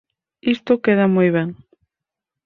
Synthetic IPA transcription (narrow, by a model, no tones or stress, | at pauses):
ist̪okeð̞amojβ̞eŋ